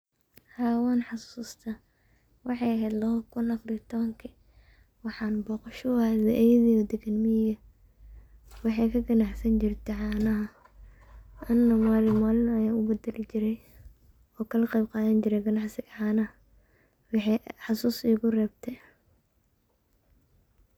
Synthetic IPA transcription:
haːwɔːnħɑsuːst̪ʰɐ | wɑħɑjɐɦɛjd̪lɐɦɔkʰʊnɐfɾit̪ʰɔβɐŋkʰɐ | wɑħɑːnbɔːqɑʃɔwaβɛʔɛjðiɔd̪ɛɡɐnmɪɪjɐ | wɑħɑjkʰɐɡɐnɑħsɐnt͡ʃɪrt̪ʰɛʕɑːnɐɦɐ | ʔɐnːɐmaːlɪmaːlɪnɐjaːʊbɛd̪ɛlɪt͡ʃɪɾɛj | ɔːkʰɐlɐqɛjb̚qɑːðɐnt͡ʃɪɾɛjɡɐnɑħsɪɡɐʕɑːnɐɦɐ | wɑħɛħɑsuːsiːɣʊrɛːbt̪ʰɛ

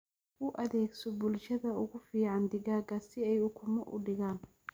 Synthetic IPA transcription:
ʊʔɐðɛːɡsɔbʊlʃɐðɐʊɣʊfiːʕɑnd̪ɪɣaːɣɐsɪɛjʊkʰʊmɐʔʊ̰ɖɪɣaːn

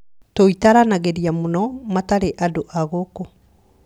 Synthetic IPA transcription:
toitaɾanaɣeɾiamonɔmataɾeʔadoʔaɣoko

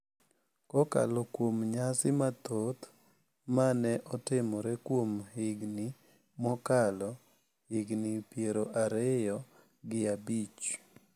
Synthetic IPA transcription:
kɔka̰lɔkwomɲasɪmat̪ot̪ | manɛʔɔtɪmɔɾɛkwomhɪɡnɪ | mɔkalɔ | hɪɡnɪpjeɾoʔaɾɛjɔ | ɡɪabit͡ʃ

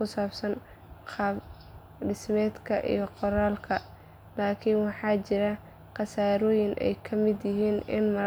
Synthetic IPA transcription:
kʊsaːbsɐn | qɑb | ɖɪsmɛːd̪kʰɐʔḭjɞqɔɾaːlkʰɐ | laːkʰɪnwɑħɑːt͡ʃɪɾɐ | qɑsaːɾɔːjɪnʔɛ̰jkʰɐmɪd̪jɪɦiːnɪnmɐ

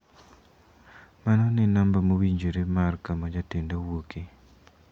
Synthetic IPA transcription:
manɔnɪnambamowiɲd͡ʒoɾemarkamad͡ʒatendawoke

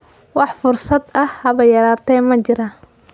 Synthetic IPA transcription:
wɑħfʊrsɐd̪ɐhhɐβɐjɐɾaːt̪ʰɛjmɐt͡ʃɪɾaː

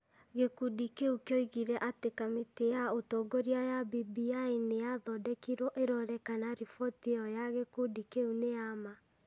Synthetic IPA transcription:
ɣekudikeukjoiɣiɾɛʔatekameteaotoɡoɾiajabibiainejaðɔdɛkiɾɔʔeɾɔɾɛkanaɾifɔteɔjaɣekudikeuneama

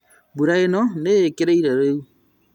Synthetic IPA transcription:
buɾajenɔnekeɾeiɾaɾeu

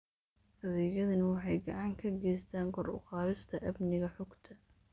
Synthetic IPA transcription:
hɐðɛːjɐðɐnwɑħɑjɡɐʕɑːŋkʰɐɡɛjst̪ʰaːŋkʰɔrʊ̰qɑːðɪst̪ʰɐʔɐbnɪɣɐħʊɡt̪ʰɐ

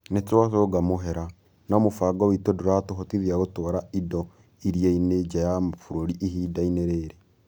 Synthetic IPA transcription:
net͡swasoːɡamoɦɛɾa | naomofaɡɔwitodoɾatoɦotiðiaɣotɔɾaidɔ | iɾiained͡ʒajamfuɾoɾiʔiɦiːdaineɾeːɾe

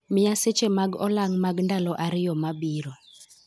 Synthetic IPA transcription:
mɪaset͡ʃemaɡɔlaŋmaɡndalɔʔaɾɪjɔmabiɾɔ

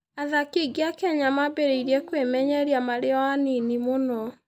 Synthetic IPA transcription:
aðakiɡiakɛɲamabeɾeiɾiɛkwemɛɲɛɾiamaɾeɔaninimonɔ

